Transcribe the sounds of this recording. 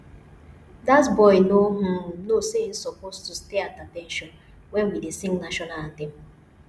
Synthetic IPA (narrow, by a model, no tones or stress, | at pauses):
dasbɔjnoɦʊnosen̩sopostusteatatɛnʃɔn | wɛ̃nwidesĩŋnaʃɔnaltim̩